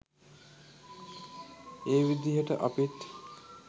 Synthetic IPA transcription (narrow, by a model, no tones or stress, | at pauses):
eːʋid̪iɦəʈə̰ʔapiʈ